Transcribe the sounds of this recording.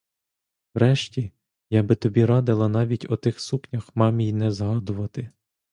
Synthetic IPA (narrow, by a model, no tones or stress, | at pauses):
wɾɛʃtʲi | jabɪt̪ɔbʲiɾɑd̪ɪlˠɐn̪ɑʋʲitʲɔt̪ɪxsuknʲɐxmɑmʲijnɛzɦɑd̪ʊʋɐt̪ɪ